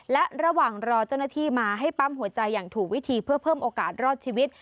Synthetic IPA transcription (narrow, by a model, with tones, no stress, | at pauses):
lɛ˦˥ʔɾa˧waː˨˩ŋɾɔː˧t͡ɕaː˥˩wna˥˩t̪ʰiː˥˩maː˧ɦa˥˩jpa˦˥mɦu˨˩˦ɐt͡ɕa˧jːaː˨˩ŋt̪ʰuː˨˩k̚wi˦˥t̪ʰiː˧pʰɯ˥˩ɐpʰɤː˥˩mʔoː˧kaː˨˩t̪̚ɾɔː˥˩t̪̚t͡ɕʰiː˧wi˦˥t̪̚